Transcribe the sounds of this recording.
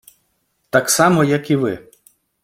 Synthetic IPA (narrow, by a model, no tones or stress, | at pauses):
t̪ɑksɑmɔjɐkiʋɪ̰